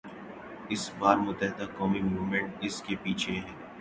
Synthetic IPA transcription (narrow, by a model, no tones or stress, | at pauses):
ɪsbaːɾmʊt̪ːəɦɪd̪akɔːmimuːʋmẽɳʈɪskepiːt͡ʃʰeɦɛ̃ː